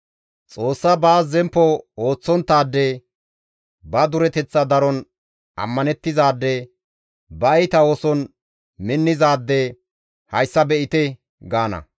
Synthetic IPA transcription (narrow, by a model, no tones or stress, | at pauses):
t͡sʼo̞ːsːɐbaːzɛmpːɔoːt͡sːɔnt̪ːaːd̪ːɛ | bɐd̪ʊɾɛt̪ɛt͡sːɐd̪ɐɾɔn | ʔɐ̰mːɐnɛt̪ːɪzaːd̪ːɛ | bɐjt̪ɐoːsɔn | mɪnːɪzaːd̪ːɛ | hɐjsːɐbɛʔɪt̪ɛ | ɡaːnɐ̰